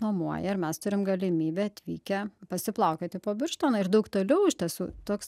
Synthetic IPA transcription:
noːmuɔjɛɐɾmʲɛst̪ʊɾʲɪmɡɐlʲɪmʲiːbʲeːɐt̪ʲʋʲḭːkʲɛpɐsʲɪplˠɐʊkʲɛt̪ʲɪpoːbʲɪrʃt̪oːnɐɪɾd̪ɐʊkt̪oːlʲɛʊɪʃʲt̪ʲɛsṵːt̪oːks

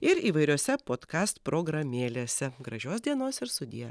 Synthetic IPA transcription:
ɪɾiːʋɐɪɾʲoːsʲɛpoːt̪kɑːst̪pɾoɡɾɐmʲeːlʲeːsʲɛɡɾɐʒʲoːsd̪ʲiɛnoːsɪɾst̪ʊd̪ʲijɛ

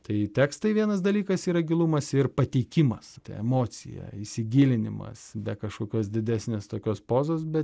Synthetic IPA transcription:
t̪ɐɪt̪ʲæːkst̪ɐɪʋʲiɛnɐsd̪ɐlʲiːkɐsiːɾɐɡʲɪlˠumɐsɪɾpɐt̪ʲɛɪkʲɪmɐst̪ɐɪɛmoːsʲɪ̰jɛ̰isʲɪɡʲiːlʲɪnʲɪmɐ̰sbʲɛkɐʃkoːkʲoːs̬d̪ʲɪd̪ʲæːsʲnʲeːst̪oːkʲoːspoːzoːs̬bʲɛt̪

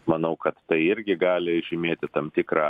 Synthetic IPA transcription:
mɐnɐʊkɐt̪ːɐɪɪɾʲɡʲɪɡɑːlʲɪʒʲɪmʲeːt̪ʲɪt̪ɐmt̪ʲɪkɾɑː

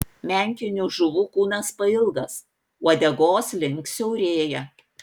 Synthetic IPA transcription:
mʲɛˑŋʲkʲɪnʲuʒʊʋuːkuːnɐspɐɪlˠɡɐs | uɔd̪ʲɛɡoːslʲɪŋksʲɛʊɾʲeːjɛ

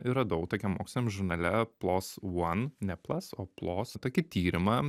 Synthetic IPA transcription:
iɾɐd̪ɐʊkt̪oːkʲɛmoːksʲlʲɪnʲɛmʒʊɾnɐlʲɛplˠoːswɐnnʲɛplˠɐsoːplˠoːst̪oːkʲɪt̪ʲiːɾʲɪmɐ

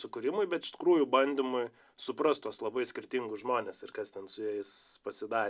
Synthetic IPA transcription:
sʊkʊɾʲɪmʊɪbʲɛt̪ɪʃt̪ʲɪ̥kruːjʊbɐnʲd̪ʲɪmʊɪ | sʊpɾɐst̪uɔslˠɐbɐɪsʲkʲɪrʲt̪ʲɪŋɡʊsʒmoːnʲeːsɪrkɐst̪ʲɛnsʊjɛjɪspɐsʲɪd̪ɑː

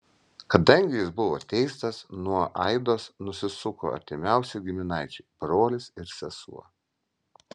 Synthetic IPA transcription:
kɐd̪ɐŋʲɡʲɪjɪsbʊʋoːt̪ʲɛɪst̪ɐsnuɔʔɐɪd̪oːsnʊsʲɪsʊko̰ːɐ̰ɾʲt̪ʲɪmʲæˑʊsʲɛɡʲɪmʲɪnɐɪt͡ʃʲɛɪb̥ɾoːlʲɪsɪɾsʲɛsṵɔ

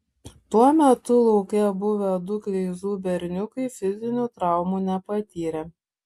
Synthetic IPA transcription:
t̪uɔmʲɛt̪ʊlˠɔʊkʲɛbʊʋʲɛd̪ʊkɾʲɛɪzuːbʲɛɾʲnʲʊkɐɪfʲɪzʲɪnʲuːt̪ɾɑˑʊmuːnʲɛpɐt̪ʲiːɾʲɛ

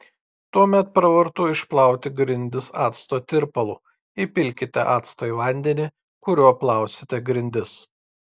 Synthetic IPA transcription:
t̪uɔmʲɛt̪̚pɾɐʋɐɾt̪ʊːɪʃplˠɑˑʊt̪ʲɪɡɾʲɪnʲd̪ʲɪsɑːt̪st̪oːt̪ʲɪɾpɐlˠu | ɪpʲɪlʲkʲɪt̪ʲɛ̰ʔɑːt̪st̪oːiʋɐˑnʲd̪ʲɛnʲɪ | kʊɾʲuɔplˠɑˑʊsʲɪ̥t̪ʲɛɡɾʲɪnʲd̪ʲɪs

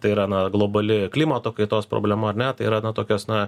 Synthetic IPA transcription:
t̪ɐɪiːɾɐnɐɡlˠoːbɐlʲɪklʲiːmɐt̪oːkɐɪt̪oːspɾo̰ːbʲlʲɛmɐɐɾnʲɛt̪ɐɪiɾɐnɐt̪oːkʲoːsnɐ

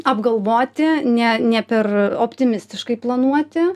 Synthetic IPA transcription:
ɐbɡɐlˠʋoːt̪ʲɪnʲɛnʲɛpʲɛroːpʲt̪ʲɪmʲɪsʲt̪ʲɪʃkɐɪplˠɐnuɔt̪ʲɪ

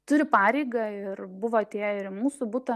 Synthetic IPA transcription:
t̪ʊɾʲɪpɑːɾʲɛɪɡɐɪrbʊʋoːt̪ʲiɛɪɾmuːsʊbuːt̪ɐ

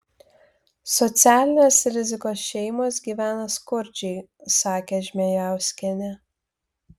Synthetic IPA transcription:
sɔt̪sʲæːlʲɪnʲesɾʲɪzʲɪkoːsʃʲɛɪmoːsɡʲiːʋʲæːnɐskʊɾʲd͡ʒʲɛɪsɑːkʲeʒʲmʲejæˑʊsʲkʲɛnʲɛ

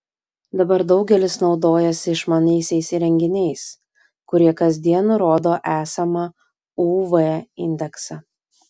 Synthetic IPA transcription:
d̪ɐbɐɾd̪ɒʊɡʲɛlʲɪsnɒʊd̪oːjɛsʲɪɪʃmɑnʲɛɪsʲɛɪsɾʲɛŋʲɡʲɪnʲɛɪs | kʊɾʲiɛkɐzʲd̪ʲiɛnʊɾoːd̪oːʔæːsɐmɐ | uːʋɛɪnʲd̪ʲɛksɐ

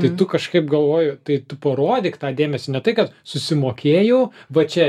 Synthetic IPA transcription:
t̪ɐɪt̪ʊkɐʃkɐɪp̚ɡɐlˠʋoːjʊt̪ɐɪt̪ʊpɐɾoːd̪ʲɪkt̪ɑːd̪ʲeːmʲɛsʲɪnʲɛt̪ɐɪkɐt̪sʊsʲɪmoːkʲeːjɛʊʋɐt͡ʃʲɛ

